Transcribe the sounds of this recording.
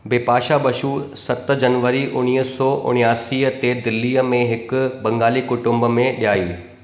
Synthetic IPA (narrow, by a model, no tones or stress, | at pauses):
beːpaːʃabɐʃuːsɐt̪d͡ʑɐnʋəɾiʔʊñiːəsɔːʔʊ̰ɽ̃ijaːsiːət̪eːd̪ɪlːiːəmẽɦɪkʊ̆bɐ̃ŋɡaːlikʊʈʊ̃mbəmẽɗijaːiː